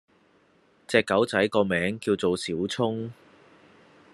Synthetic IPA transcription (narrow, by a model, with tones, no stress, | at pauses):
t͡sɛː˨˧kːɐ˨˥wt͡sɐ˨˥jkɔː˧mɛː˨˥ŋkiː˧wt͡so˨wsiː˨˥wt͡sʰʊ˥ŋ